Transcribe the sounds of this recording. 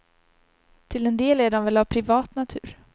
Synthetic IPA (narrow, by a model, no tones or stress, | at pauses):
t̪ʰɪlɛnd̪eːlæɖɔmvɛlavpʰɾɪvɑːt̪nat̪ʰʉ̟̰ːɾ